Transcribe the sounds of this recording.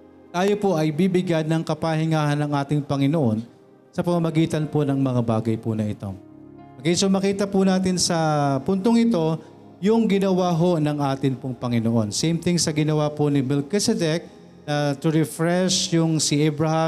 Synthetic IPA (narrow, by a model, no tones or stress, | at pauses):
t̪aːjo̞poʔɐjbibɪɡanɐŋkɐpahɪŋaːɦɐnɐŋʔaːt̪ɪŋpɐŋɪnoʔo̞n | sɐpɐmɐmɐɡiːt̪ɐnponɐŋmɐŋabaːɡɐjpʊnɐʔɪt̪o̞̰ | mɐɡɪnsomɐkiːt̪ɐpʊnaːt̪̬ɪnsɐpʊnt̪oŋɪt̪o̞ | jʊŋɡɪnɐwaːɦo̞nɐŋʔaːt̪ɪnpʊŋpɐŋɪnoʔo̞nsejmt̪ɪŋsɐɡɪnɐwaponɪmɛlkɛsɛd̪ɛk̚ | nɐt̪ʊɾɛfɹɛʃjʊŋsɪʔɛbɹɐha